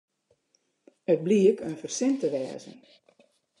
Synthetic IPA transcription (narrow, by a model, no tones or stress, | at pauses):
ət̚bliəkʰənfərsɪntəʋɛ̰ːzə̰n